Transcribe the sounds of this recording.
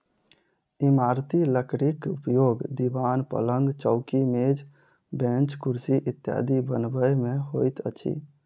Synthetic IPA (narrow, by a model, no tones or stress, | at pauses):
imaɾt̪iləkʰɾikupjoːɡd̪ibanpə̰ləŋɡt͡ʃəʊkimed͡ʒ | bẽnt͡ʃkuɾsiʔit̪ja̰d̪ibənbəjmẽɦojt̪ə̰t͡ʃʰḭ